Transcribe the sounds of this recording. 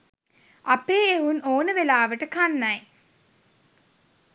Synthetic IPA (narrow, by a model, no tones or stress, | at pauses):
ɐpːeːeʋunoːnəʋelaːʋəʈəkanːaj